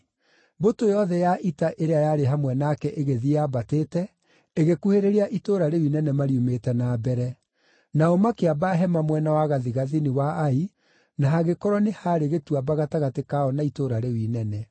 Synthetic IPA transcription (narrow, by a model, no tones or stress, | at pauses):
botojɔðɛjaʔitaʔeɾeajaɾeɦamwɛnakɛʔeɣeðiabatetɛ | eɣekuheɾeɾeaʔitoɾaɾewinɛnɛmaɾijumetɛnaːbɛɾɛ | naɔmakeabaɦɛmamwɛnawaɣaðiɣaðiniwaai | naɦaɣekɔɾwɔnehaɾeɣetuabaɣataɣatekaɔnaitoɾaɾewinɛnɛ